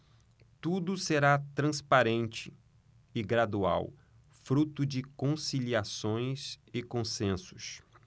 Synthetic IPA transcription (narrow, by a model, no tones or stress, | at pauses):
t̪ud̪ʊseɾat̪ɾɐ̃spaɾẽnt͡ʃɪ | ɪɡɾad̪ua̰w | fɾut̪ʊd͡ʒɪkõsiliasõj̃zɪkõsẽsʊ̥s